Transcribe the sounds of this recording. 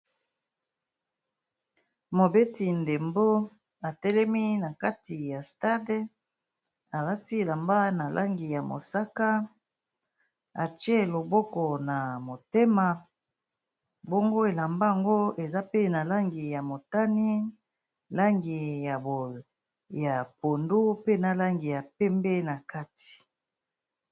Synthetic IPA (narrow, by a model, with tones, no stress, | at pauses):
mo˨be˦ti˨nde˨mbo˦ | a˨tɛ˦lɛ˦mi˦na˨ka˦ti˨ja˨sta˦d | a˨la˦ti˦e˨la˨mba˦na˨lʔa˦ŋɡi˨ja˨mo̰˨sa˦ka˦ | a˨t͡ʃje˦lo˨bɔ˦kɔ˨na˨mo˨te˦ma˨ | bo˦ŋɡo˦e˨la˨mba˦a˨ŋɡo˦e˨za˦pe˦na˨la˦ŋɡi˨ja˨mo˨ta˦ni˦ | la˦ŋɡi˨ja˨bo˨ | ja˨po˨ndu˦pe˦na˨la˦ŋɡi˨ja˨pɛ˦mbɛ˦na˨ka˦ti̥˨